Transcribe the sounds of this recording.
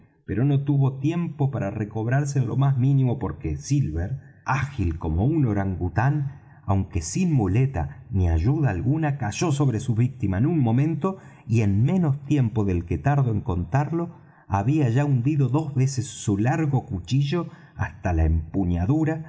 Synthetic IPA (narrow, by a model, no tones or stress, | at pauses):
pe̞ɾo̞no̞t̪uβo̞t̪je̞mpo̞paɾareko̞βɾaɾs̬eːnlo̞̰mazmĩnĩmo̞po̞ɾkesilβeɾ | axilko̞mo̞uno̞ɾaŋɡut̪an | awŋke̞sinmule̞t̪a̰niaʒuðaːlɣunakaʒo̞s̬o̞βɾe̞suβik̚t̪imaenunmõ̞mẽnt̪o̞ | ie̞nmẽ̞no̞st̪je̞mpo̞ðe̞lket̪aɾðoeŋko̞nt̪aɾlo̞ | aβiaʒaund̪iðo̞ðo̞zβe̞sesːulaɾɣo̞kut͡ʃiʒo̞ | ast̪alaempuɲaðuɾa